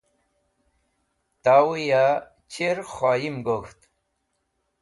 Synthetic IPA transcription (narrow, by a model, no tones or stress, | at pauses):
t̪awuja | t͡ɕeɾxaːjimɡoxt̪